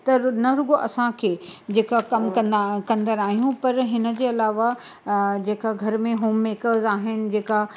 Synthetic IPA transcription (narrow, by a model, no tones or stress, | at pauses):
t̪ɐnɐɾʊɡoʔɐsãkʰeːd͡ʑeːkakɐmkɐ̃nkɐ̃nd̪əɾaːɦijũpɐɾɦɪnə̆d͡ʑeːɐlaːʋa | d͡ʑeːkaɡʱɐɾmẽɦoːmːeːkəzaːɦɪnɪ̆d͡ʑeːka